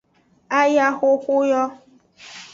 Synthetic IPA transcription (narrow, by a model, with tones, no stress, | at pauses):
a˦ja˦xʊ˦xʷʊ˦jɔ˦